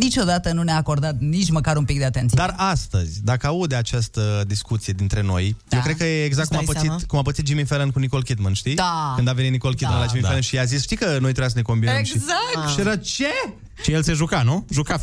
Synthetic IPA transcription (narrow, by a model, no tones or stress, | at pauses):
nit͡ʃo̞d̪at̪ənuneaːko̞rd̪at̪nit͡ʃməkaɾumpik̚d̪eat̪ent̪sid̪arast̪ə̰zʲd̪akəaud̪at͡ʃast̪əd̪iskut̪sijed̪int̪ɾe̞no̞̰jjewkɾekəjeːɡzak̪tkuumapəsit̪kumapət̪it̪̚d͡ʒimifelenkuniko̞lkʲit̪mənʃt̪iakɨnd̪avenit̪niko̞lkʲit̪mnelad͡ʒimifelenʃiazisʃt̪ijkəno̞jt̪ɾejasəneko̞mbiəmʃizak̪ʃiɾət͡ʃe | ʃijelseʒukanuʒuka